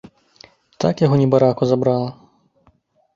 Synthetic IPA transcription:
t̪a̰kjaɦɔnʲɛbaɾakuzabɾalˠɐ

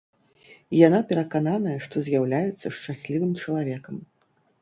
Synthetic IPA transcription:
janapʲɛɾɐkananɐjɛʂt̪ɔzʲjawlʲajɛt̪sːɐʂt͡ʂasʲlʲivɨmt͡ʂɐlˠavʲɛkɐm

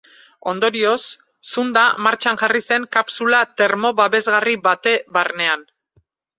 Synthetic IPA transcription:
o̞nd̪o̞ɾio̞sː | und̪amaɾt͡ʃanʝarise̞ŋkapsulat̪e̞ɾmo̞βaβe̞zɣariβat̪e̞βaɾne̞an

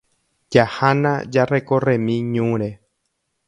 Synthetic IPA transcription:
d͡ʒahanã̰d͡ʒarekorẽmĩɲũɾe

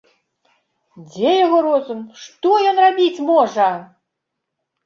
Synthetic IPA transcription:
d͡zʲɛjaɣɔɾɔzumʂt̪ɔjɔnrabʲit͡sʲmɔʐɐ

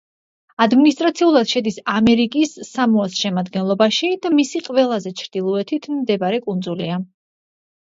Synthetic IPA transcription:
ad̪minist̪ʼɾat̪sʰiulˠad̪̥ʃɛd̪isamɛɾikʼisːamɔasʃɛmad̪ɡɛnlˠɔbaʃid̪̥amisiqʼvɛlˠazɛt͡ʃʰɾd̪̥ilˠɔɛt̪ʰit̪ʰmd̪ɛbaɾɛkʼund̪zulia

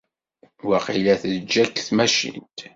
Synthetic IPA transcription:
wæqilæθd͡ʒːækːθmæʃḭnt̪

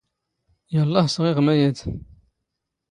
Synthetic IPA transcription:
jəlˤːɑhsʁɪʁmæjæd̪

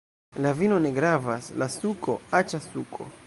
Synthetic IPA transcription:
lavino̞ne̞ɡɾavaslasukʰo̞̰at͡ʃasukʰo̞̰

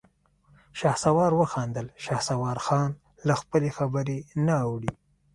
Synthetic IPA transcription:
ʃɑhsawɑɾwəxɑnd̪əlʃɑhsawɑɾxɑn | laxpəlexabəɾenaːwɽi

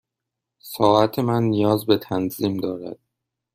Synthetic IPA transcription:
sɒːʔæt̪ʰe̞mænːijɒːzbe̞t̪ʰænziːmd̪ɒːɾæ̰d̪̥̚

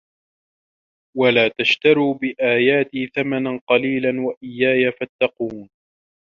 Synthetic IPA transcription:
walaːt̪aʃt̪aɾiːbɪʔaːjaːt̪iθamananqɑliːlanwaʔɪjːaːjafat̪ːɑquːn

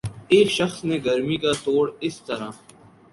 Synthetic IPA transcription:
eːkʃɐxsneɡɐɾmikat̪oːɽɪst̪ɐɾãː

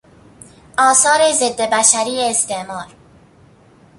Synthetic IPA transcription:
ɒːsɒːɾezed̪ːebæʃæɾiːeːst̪eʔmɒːɾ

